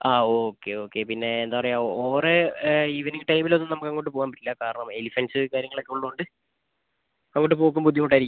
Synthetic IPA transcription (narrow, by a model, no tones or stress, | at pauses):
aːoːkːe̞o̞ːkːepinːe̞ːnd̪aːpɐrɐejaoːreiʋɐnikːɨʈɐjmilonːɨnɐmukːɐŋːoːʈːɨpo̞ːɣaːmpɐʈːilːɐkaːɾɐɳɐmelifensɨkaːɾjɐŋːɐɭokːeuɭːɐuɳɖɨ | ɐŋːoːʈːɨpo̞ːk̬ːumpud̪ʱjɐmkoʈːaːiɾikːu